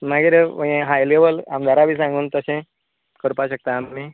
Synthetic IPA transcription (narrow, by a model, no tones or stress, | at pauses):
maɡeɾeəjẽɦajleʋəla̰md̪ʱaɾabʱiːs̬ãŋɡuːnt̪əsẽ | kəɾpaɕək̚t̪aːmːi